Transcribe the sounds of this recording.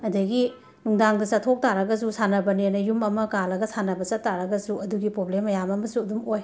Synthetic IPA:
ɐdɐɡi | nuŋdaŋdɐsatʰok̚taɾɐɡɐs̬usanɐbɐnenɐjumɐmɐkalɐɡɐsanɐbɐt͡ʃɐtːaɾɐɡɐsuɐduɡipɾoblemːɐjamɐmɐsuɐdumoj

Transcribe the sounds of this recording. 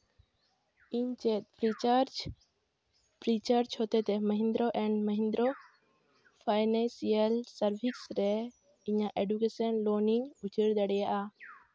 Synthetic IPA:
iɲt͡ʃɛt̪̚pɾit͡ʃaɾd͡ʒ | pɾit͡ʃəɾd͡ʒhot̪ɛt̪ɛməɦĩnd̪ɾoʔɛɳɖməɦĩnd̪ɾo | pʰajnɛ̃nsiəlsəɾbʱiksɾɛ | iɲaʔeɖukesənloniɲut͡ʃəɾd̪əɽɛjaʔa

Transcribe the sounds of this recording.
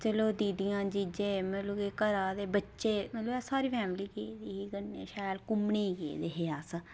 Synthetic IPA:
t͡ʃəloːd̪iːd̪ijãːd͡ʒid͡ʒeːməluːɡeːkəɾaːd̪eːbətːʃeːməluːɛːsaːɾiːpʰɛːmliːkeːd̪iːɦiːɡənːḛːʃaːjlkʊmɳeːɡḛːd̪eːɦeːaːsə

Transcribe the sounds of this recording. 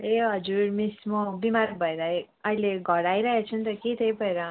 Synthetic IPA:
eɦʌd͡zuɾmismobimaɾɡ̚bʱʌeɾʌɦe | ʌileɡʱʌɾajɾʌɦet͡sʰunt̪ʌket̪ʰʌjpʌeɾʌ

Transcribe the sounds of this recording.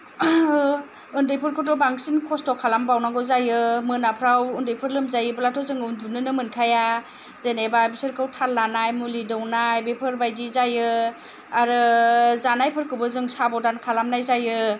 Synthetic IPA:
ɯndɯjpʰɯɾkʰɔtɔbaŋsinkʰɔstɔkʰalambawnaɡɔzajɯmɯnapʰɾawɯndɯjpʰɯɾlɯmzajɯbulatʰɔzɯŋɯundunɯnɯmɯnkʰaja | zenebajbisɯɾkʰɯwtʰalːanajmulidɯwnajbepʰɯɾbajdizajɯ | aɾɯzanajpʰɯɾkʰɯwbɯzɯŋsabɔwdankʰalamnajzajɯ

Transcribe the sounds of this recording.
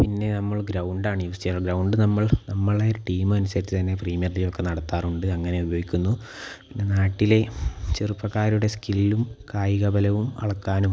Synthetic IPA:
pinːe̞nɐmːɐɭɡɾɐwɳɖaːɳɨjuːst̪ɐjaːɭɡɾɐwɳɖɨnɐmːɐɭnɐmːɐɭoʈiːmɨɐnusɐɾit͡ɕːɨt̪ɐnːe̞priːmijɐrlilo̞kːe̞nɐɽɐt̪ːaːruɳɖɨɐŋːɐne̞ubɐjo̞ːɡikʲːunːu | pinːe̞naːʈːile̞t͡ɕerupːɐkːaːɾuɽe̞skililumkaːjiɣɐbɐlɐʋumɐ̰ɭɐkːaːnum

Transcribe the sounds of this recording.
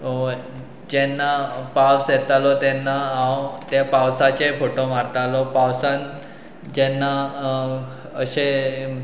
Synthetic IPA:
o | d͡ʑɛnːapawsjɛt̪alɔt̪ɛnːaːwt̪japawsat͡ɕefoʈomaɾt̪alɔpawsan | d͡ʑɛnːa | əɕe

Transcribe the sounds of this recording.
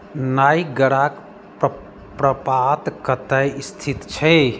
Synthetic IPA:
najɡəɽak | p | pɾəpat̪kət̪əjist̪ʰit̪t͡ʃʰɛ

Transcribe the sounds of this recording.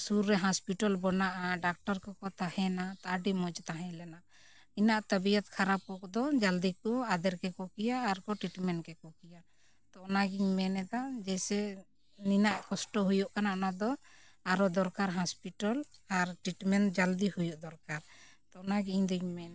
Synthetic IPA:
suɾːɛɦɔspiʈalbɔnaʔaɖak̚ʈɔɾkɔkɔt̪ahɛ̃nat̪aʔɖimɔd͡ʒt̪aɦɛ̃lɛnaʔ | inaʔt̪əbijɔt̪̚kʰaɾapɔkd̪ɔd͡ʒald̪ikɔad̪ɛɾkɛkɔkijaːɾkɔʈɾiʈmɛnkɛkɔkija | t̪ɔʔnaɡiɲmɛnɛd̪ad͡ʒɛsɛ | ninaʔkɔsʈɔɦujuʔkanaʔnad̪ɔ | aɾɔd̪ɔɾkaɾɦɔspiʈalaɾʈiʈmɛnd͡ʒald̪ihujuʔd̪ɔɾkaɾ | t̪ɔʔnaɡiĩɲd̪iɲmɛn

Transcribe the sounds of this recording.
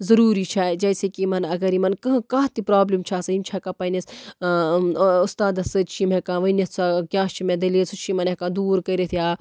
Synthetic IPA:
zɐɾuːɾit͡ʃʰaːjd͡ʒɐjsekimɐnɐɡɐɾimɐnkɐ̃kaːɦt̪ipɾaːblimt͡ʃʰaːsɐimʲt͡ʃʰakapɐjnes | ʊst̪aːd̪ɐsɨt͡ʃʰimekãːʋɐnit̪ʰsʰakʲaːst͡ʃʰimẽd̪ɐlesut͡ʃʰimɐnekãːd̪uːɾkɐiɾet̪ʰjaː

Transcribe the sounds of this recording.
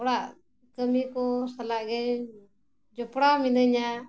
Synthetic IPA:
ɔɽaʔ | kəmikɔsalaʔɡɛ | d͡ʒɔpɽaminəɲa

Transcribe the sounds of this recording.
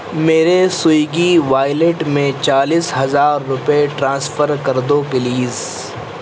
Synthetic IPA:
meːɾesʊjɡiʋaːɪleʈmẽt͡ʃaːliːsɦɐzaːɾːʊpeʈɾãːsfʰəɾkɐɾd̪opɪliːz

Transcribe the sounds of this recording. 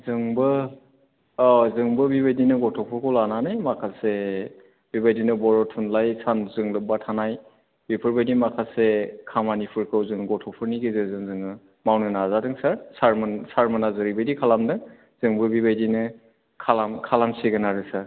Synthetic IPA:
zɯŋbɯ | zɯŋbɯbibajdinɯɡɔtʰɔpʰɯɾkʰɔwlananɯjmakʰase | bibajdinɯbɔɾɔtʰunlajsanzɯŋlɯk̚batʰanaj | bipʰɯɾbajdimakʰalsekʰamanipʰɯɾkʰɯwzɯŋɡɔtʰɔpʰɯɾniɡezɯzɯŋzɯŋɯ | mawnɯnazadɯŋsaɾsaɾmsaɾmɯnazɯɾibajdikʰalamdɯŋ | z̥ɯŋbɯbibajdinɯ | kʰalamkʰalamseɡɯnaɾɯsaɾ

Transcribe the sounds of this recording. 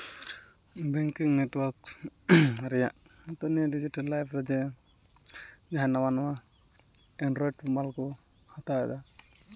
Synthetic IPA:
bɛŋkiŋneʈwɔɾk | ɾɛjaʔt̪ɔnijaɖid͡ʒiʈalːajpʰɾɛd͡ʒɛ | d͡ʒaɦanawanama | ɛnɖɾɔjʈbɔmalkɔ | hat̪aɛ̰d̪a

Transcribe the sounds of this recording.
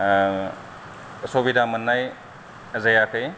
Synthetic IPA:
sobidamɐnːaj | ɐzajakʰɯj

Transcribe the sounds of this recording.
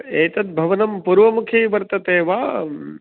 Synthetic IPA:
eːt̪ɐt̪̚bʱɐʋɐnɐmpuːɾʋɐmukʰjeːʋɐɾt̪ɐt̪eːʋaː

